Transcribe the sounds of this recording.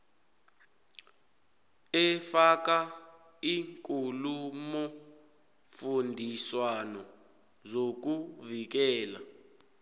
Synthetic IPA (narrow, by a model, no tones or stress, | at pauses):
ɛfaka | iŋkʼulumɔ | fundʱiswanɔ | zok̬uvik̬ɛːla̰